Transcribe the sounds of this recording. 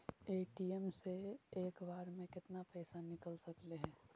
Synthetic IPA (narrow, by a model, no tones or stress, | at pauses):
eːʈiːɛmseeːkbaːɾmẽkɪt̪napɛːsanɪkəlsɐkleɦɛ̃ː